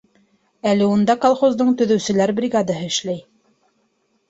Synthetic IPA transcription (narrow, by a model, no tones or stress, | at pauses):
ælɘund̪ɑkolˠχozd̪ɤɴt̪ɵ̆ðɵ̆wsɘ̆læɾbrʲiɡad̪aɦɤ̆ɘ̆ʃlæj